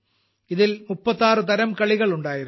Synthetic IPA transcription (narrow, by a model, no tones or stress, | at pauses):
ɪðɪlmʊpːɐt̪ːaːrɯt̪ɐɾɐmkɐɭɪɣɐɭʊɳɖaːjɪɾ